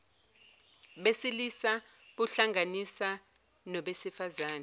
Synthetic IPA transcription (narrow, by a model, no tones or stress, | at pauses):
ɓesilisa | ɓuɬaŋanisa | nɔɓesifazaːnɛ